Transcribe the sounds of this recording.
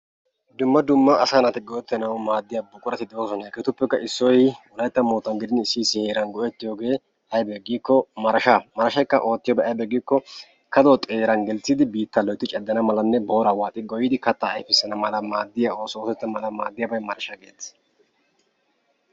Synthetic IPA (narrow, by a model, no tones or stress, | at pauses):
d̪ʊmːɐd̪ʊmːɐːsanɐt̪ɪɡɔʔɛt̪ːɛnɐwmaːd̪ːɪjabʊkʼʊɾɐt̪ɪd̪ɛosɔnɐkɐt̪ʊpːɛkːɐʔɪsːɔjwʊlɐjt̪ːɐmoːt̪ːɐnɡɪd̪ɪnɪsːiːsɪheːɾɐnɡɔʔɛt̪ːɪjoːɡe̞ː | ɐjbɛɡiːkːɔmɐɾɐʃamɐɾɐʃɐjkːɐʔo̞ːt̪ːɪjɔbɛɐjbɛɡiːkːɔ | kɐd̪oːt̪ʼeːɾɐnɡɛlt͡sːid̪ɪbiːt̪ːɐlɔjt̪ːɪt͡ʃʼɛd̪ːɐnɐmɐlɐnːɛbo̞ːɾɐwaːt̪ʼɪɡɔjɪd̪ɪkɐt̪ːaɐ̰jfɪsːɐnɐmɐlɐmaːd̪ːɪjao̞ːsoːsɛt̪ːɐmɐlɐma̰ːd̪ːɪjɐbɐjmɐɾɐʃɐɡeːt͡sː